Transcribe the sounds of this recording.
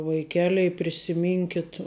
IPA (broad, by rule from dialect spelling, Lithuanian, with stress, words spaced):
ʋɐɪˈkʲæːlʲɛɪ pʲrʲɪsʲɪˈmʲɪŋʲkʲɪt